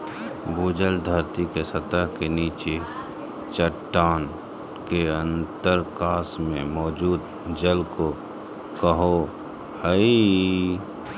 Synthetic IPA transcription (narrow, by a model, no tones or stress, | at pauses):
buːd͡ʒəld̪ʱəɾt̪ikesət̪əɦkeniːt͡ʃe | t͡ʃəʈːaːn | keə̃nt̪əɾkaːsmẽmɔːd͡ʒuːd̪ | d͡ʒəlko | kəɦo | həi